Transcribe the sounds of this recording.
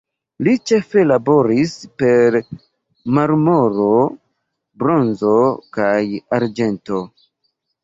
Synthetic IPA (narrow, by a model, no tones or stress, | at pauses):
lit͡ʃe̞fe̞labo̞ɾispe̞ɾ | maɾmo̞ɾo̞ | bɾo̞nzo̞kajaɾd͡ʒe̞nto̞